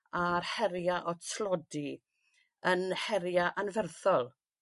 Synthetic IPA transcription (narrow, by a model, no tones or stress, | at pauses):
arhɛɾjaʔɔtʰlˠɔdi | ənhɛɾjaʔanvɛrθɔlˠ